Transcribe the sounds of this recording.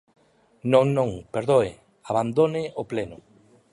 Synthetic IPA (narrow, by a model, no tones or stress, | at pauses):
nõŋnõŋpeɾðoe | aβand̪onɪoplenʊ